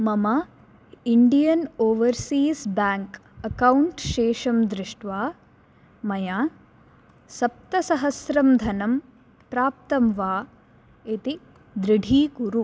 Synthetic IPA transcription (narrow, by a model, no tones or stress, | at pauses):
mɐmɐ | iɳɖijɐnoːʋɐɾsiːsbaːŋkɐkɐwuɳʈʃeːʂɐmd̪ɾɪʂʈʋaː | mɐjaː | sɐp̚t̪ɐsɐɦɐsɾɐmd̪ʱɐnɐm | pɾaːp̚t̪ɐmʋaː | et̪i | d̪ɾɪɖʱiːkuɾu